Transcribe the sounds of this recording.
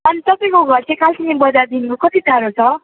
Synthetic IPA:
ʌnit̪ʌpãj̃koɡʱʌrt͡sʰẽkalsʰinibʌd͡zad̪inkokʌt̪it̪aɾot͡sʰʌ

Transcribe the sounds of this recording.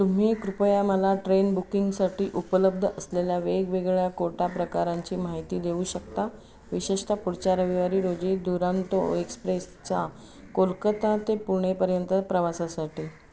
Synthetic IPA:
t̪um̤iːkɾupəjaməlaʈɾenbukiŋɡsaʈiːʔupələb̚d̪ʱəʔəsleljaʋeɡʋeɡɭjakoʈapɾəkaɾaɲt͡ɕiːmaɦit̪iːd̪euːɕəkt̪a | ʋiɕiʂʈapuɾt͡ɕaɾəʋiʋaɾiːɾod͡ʑiːd̪uɾant̪o̰ekspɾest͡sa | kolkət̪at̪epuɾɳ̃epəɾjənt̪əpɾəʋasasaʈiː

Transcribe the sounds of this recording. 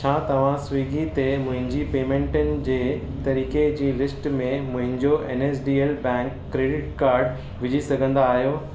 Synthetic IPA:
t͡ɕʰaːt̪ɐʋ̤ãsʋiːɡʱit̪emʊ̃ɦɪ̃ɲd͡ʑipeːmẽːɳʈənɪ̆d͡ʑeːt̪ɐɾiːked͡ʑiːlɪsʈmẽmʊ̃ɦɪ̃ɲd͡ʑoʔḛːneːsɖiːeːlbɛ̃ːŋkːɾeːɖɪʈkaːɾɖ | ʋɪd͡ʑʱisɐɡʱə̃nd̪aːɦijoː

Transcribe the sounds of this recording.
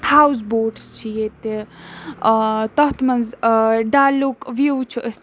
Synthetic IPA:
haːws̬boːɖst͡ʃʰijet̪ | t̪ɐɦt̪mɐnzɖaːlukʋjuːt͡ʃʰuʔəs

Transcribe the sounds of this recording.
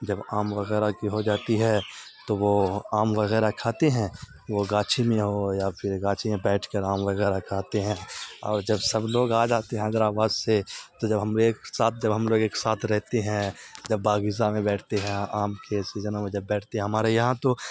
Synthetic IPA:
d͡ʒɐbaːmʋɐɣɛːɾakiɦod͡ʒaːt̪iɦɛt̪oʋoaːmʋɐɣɛːɾakʰaːt̪eɦɛ̃ | ʋoɡaːt͡ʃʰimẽɦojapʰɪɾɡaːt͡ʃʰimẽbɛːʈʰkəɾaːmʋɐɣɛːɾakʰaːt̪eɦɛ̃ɔːɾd͡ʒɐbsɐbloːɡaːd͡ʒaːt̪eɦɛ̃ɐɡəɾaːʋaːzset̪od͡ʒɐbɦɐmːksaːt̪̚ʰd͡ʒɐbɦɐmloːɡeːksaːt̪ʰɾɛɦt̪eɦɛ̃d͡ʒɐbːaːɡɪzamẽbɛːʈʰt̪eɦɛ̃aːmkesizənãmẽd͡ʒɐbːɛːʈʰt̪eɦɛ̃ɦɐmaːɾejɐɦãt̪o

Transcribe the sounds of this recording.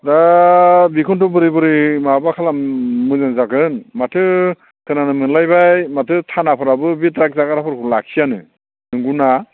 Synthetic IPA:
da | bikʰuntɔbɯɾibɯɾimabakʰalammɯzaŋzakɯnmatʰɯ | kʰɯnanɯmɯnlajbajmatʰɯtʰanapʰɯɾabɯbitɾak̚zakaɾapʰɯɾkʰulakʰijanɯ | nɯŋɡuna

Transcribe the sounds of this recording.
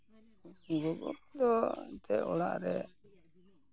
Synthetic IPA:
ɡɔɡɔ̰p̚d̪ɔt̪ɛɔla̰ʔɾɛ

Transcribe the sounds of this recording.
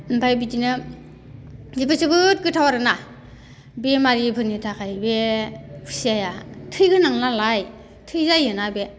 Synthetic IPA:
mpʰajbidinɯ | zibasɯbɯt̚ɡɯtʰawaɾɯna | bemaɾipʰɯnitʰakʰajbepʰu̥siajatʰɯjɡɯnaŋnalaj | tʰɯjzajɯnabe

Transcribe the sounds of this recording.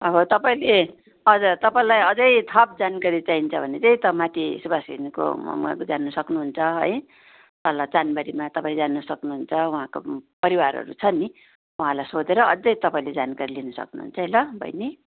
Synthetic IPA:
ʌbʌt̪ʌpaĩle | ʌd͡zʌt̪ʌpaĩlajʌd͡zʌjt̪ʰʌp̚d͡zankaɾit͡saint͡sʰʌbʱʌnet̪eit̪ʌmat̪ʰisubasinko̰mʌ̰mɡa̰kod͡zanːusʌknuɦunt͡sʰʌɦʌ̰j | t̪ʌlat͡sanbaɾimat̪ʌpãĩld͡zanʌsʌknuɦunt͡sʰʌuɦãko̰pʌɾiwaɾʌ̰ɾṵt͡sʰʌni | uɦãlajsod͡zeɾʌʌ̰d͡zʌjt̪ʌpaĩled͡zankaɾilinʌsʌ̰knuɦṵnt͡sʰʌɦʌjlʌbʱʌ̰jni

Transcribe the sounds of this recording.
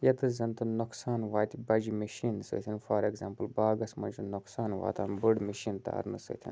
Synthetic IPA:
jɐt̪ɨzɐnt̪ɨnoksaːnʋaːjt̪bɐd͡ʒmɐʃiːnsɨ̰ːt̪ʲʰinfɐɾeɡzaːmpɨlbaːɡɐsmɐnd͡ʒɨnoksaːnʋa̰ːt̪aːnbɨɖmiʃiːnt̪a̰ːɾnɨso̰t̪ʰḭn

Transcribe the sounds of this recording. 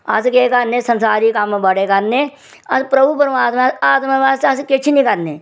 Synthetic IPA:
ɐ̰skeːkɐɾnesɐ̃nsaːɾikambɐɽekɐɾneː | ɐspɾɐbʱupɐɾaːt̪meaːt̪mɐʋaːsɐskɪt͡ʃʰinĩkɐɾneː

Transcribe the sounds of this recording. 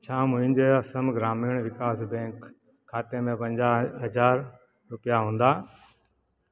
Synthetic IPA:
t͡ɕʰãːmʊ̃ɦɪ̃ɲd͡ʑeːɐsəmɡɾaːmiːəɽ̃ʋɪkaːsbɛ̃ːŋkʰː | aːt̪emẽpɐ̃ɲd͡ʑaɦɐzaːɾ | ɾʊpijaɦũːnd̪aː

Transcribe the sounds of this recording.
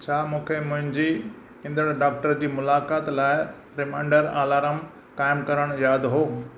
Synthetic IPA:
t͡ɕʰaːmũːkʰemʊ̃ɦɪ̃ɲd͡ʑi | ɪ̃nd̪əɽ̃ɖaːk̚ʈəɾd͡ʑiːmʊlaːkaːt̪laːɪ | ɾɪmãɪ̃ɳɖəɾaːlaːɾəm | kaːɪmkɐɾəɽ̃jaːd̪ɦoː

